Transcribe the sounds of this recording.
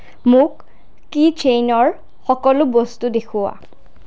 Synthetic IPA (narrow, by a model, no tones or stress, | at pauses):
mʊkː | it͡ʃejnɔɹ | xɔkɔlʊbostudekʰʊa̰